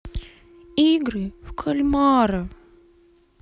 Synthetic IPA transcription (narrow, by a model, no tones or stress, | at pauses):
iɡɾɨfkʰɐlʲmaɾɐ